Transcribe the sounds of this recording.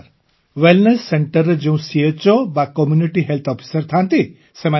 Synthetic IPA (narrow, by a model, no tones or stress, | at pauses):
ɾ | ʋelnesːeɳʈəɾd͡ʒeũsiet͡ʃobakɔmjuniʈiɦelt̪ʰɔpʰi̥səɾt̪ʰãnt̪i | sema